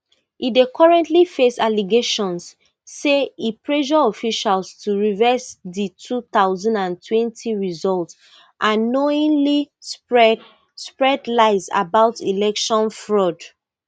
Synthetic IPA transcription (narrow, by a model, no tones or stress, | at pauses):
idekʰɔɹɛ̃ntlifesaliɡeʃɔ̃nsː | eipɹeʒɔɔfiʃalstʰuɹivɛsðitʰuθaʊzãndãntʰwɛ̃ntʰiɹizɔlt | ʔãnːɔĩnlispɹɛ | spɹɛdlaɪza̰baʊtʰilɛkʃɔ̃nfɹɔd